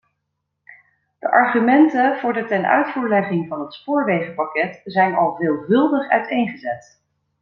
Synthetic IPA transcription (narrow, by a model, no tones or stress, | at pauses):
d̥əʔɑɹχymɛntəv̥ʊːɹdətɛnœ̰ɥtfuːɹlɛχɪŋvɑnɦətspʊːɹʋejχəpɑkɛtzɛjnɑlˠveːlˠvɵlˠdəχœ̰ɥtejnχəzɛt